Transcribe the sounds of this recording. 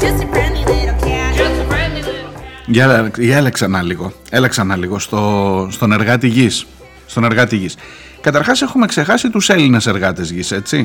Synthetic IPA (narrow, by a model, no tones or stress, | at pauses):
ʝɐʝɐeleksɐnɐliɣo̞ | e̞leksɐnɐliɣo̞st̪ost̪o̞ne̞ɾɣɐt̪iʝisː | t̪o̞ne̞ɾɣɐt̪iʝis | kɐt̪ɐɾxɐse̞xume̞kse̞xɐsit̪use̞linese̞ɾɣɐt̪e̞zʝise̞t͡si